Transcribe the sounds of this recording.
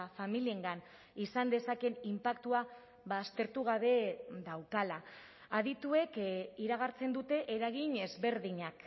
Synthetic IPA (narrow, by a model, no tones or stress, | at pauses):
familie̞ŋɡan | isand̪e̞sake̞nimpakt̪ua | βaːst̪e̞ɾt̪uɣ̞aβe̞ðawkala | aðit̪ue̞kiɾaɣ̞aɾt͡se̞nd̪ut̪e̞ʔeɾaɣ̞iɲe̞zβe̞ɾðiɲak